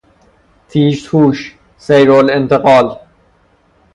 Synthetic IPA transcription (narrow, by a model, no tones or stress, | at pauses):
t̪ʰiːʃt̪huːʃ | sejɾoːlɪ̃nt̪əqɑːl